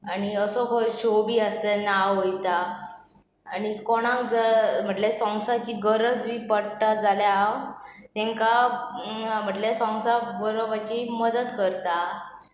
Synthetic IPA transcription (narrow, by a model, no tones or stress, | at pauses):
aɽ̃iəsɔkʰɔɕobiːəst̪enaɦojt̪aː | nikoɽ̃ãkd͡zəm̤əʈlesɔ̃ŋɡsat͡ɕiːɡəɾəd͡zʋipəɽt̪ad͡zaljaaw | t̪ɛ̃ŋka | m̤əʈlesɔ̃ŋsabəɾobat͡ɕiməd̪ət̪kəɾt̪a